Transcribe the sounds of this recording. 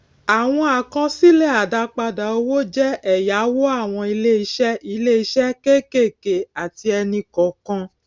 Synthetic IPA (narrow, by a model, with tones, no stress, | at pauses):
a˨w̃ɔ̃˦a˨kɔ̃˧si˦lɛ˦˨a˨da˧k͡pa˧da˨o˧˦wo˦d͡ʒɛ˦ɛ˦˨ja˨˦wo˦a˦˨w̃ɔ̃˧i˧le˦i˧˦ʃɛ˦i˧le˦i˧˦ʃɛ˦ke˦ke˦˨ke˨a˨ti˧ɛ˧nĩ˧kɔ̃˨kɔ̃˧